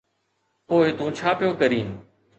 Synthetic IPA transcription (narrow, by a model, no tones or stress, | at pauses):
poːɪt̪ũːt͡ʃʰaːpijoːkəɾiːnɪ